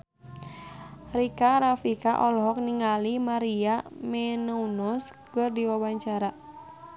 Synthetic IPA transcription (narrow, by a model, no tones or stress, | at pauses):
rikaɾafikaʔɔlɦɔk̚niŋalimaɾiamɛnaunɔskɨrdiwawaɲt͡ʃaɾa